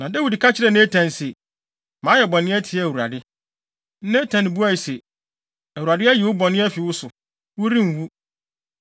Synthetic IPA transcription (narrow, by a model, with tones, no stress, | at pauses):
nã˨da˦wi˨dkʰa˦t͡ɕʰɪ˦ɾɛ˨˦nẽ˦tʰã˨n˨se˨ | mãː˨˦jɛ˨bɔ̃˨nɪ̃˦ɛ˦tʰi˨˦ɛ˦˨æ˨wu˨ɾa̰˨dɪ˦ | n̩˦nẽ˦tʰã˨n˦bu˦a˦i˨se˨ | æ˨wu˨ɾa˨dɪ˦ɛ˦jɛ˨wʊ˦bɔ˨nɪ̃˦ɛ˦fi˨wʊ˦sʊ˨ | wʊ˦ɾĩ˦m̩˨wu˦